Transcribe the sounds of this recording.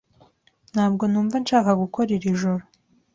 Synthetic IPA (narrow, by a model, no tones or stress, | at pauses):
n̥haːb̚ɡo̞nuːɱvanʃaːkaɡukʰo̞ɾiɾiʒoɾo